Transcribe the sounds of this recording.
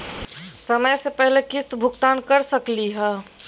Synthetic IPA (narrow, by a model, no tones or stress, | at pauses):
səməjsepɛɦlekɪst̪bʱʊkt̪aːnkəɾsəkliɦɛː